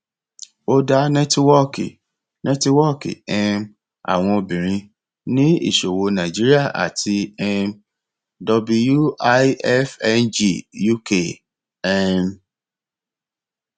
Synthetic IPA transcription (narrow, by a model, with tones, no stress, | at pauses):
o˦da˦nɛ̃˦twɔ˦kḭ˨ | nɛ̃˦ti˦wɔ˦kḭ˨ɛ˧m | a̰˨w̃ɔ̃˧o˧bĩ˨ɾ̃ĩ˧ | nĩ˦ḭ˦˨ʃo˨wo˧nã˨d͡ʒi˦ɾi˦a˦˨ʔa̰˨tʰi˧ɛ˦˧m | dɔ˧bu˧ju˦a˦ɛ˦fɛ˦nd͡ʒi˦˨ju˦ke˦˨ | ɛ˦m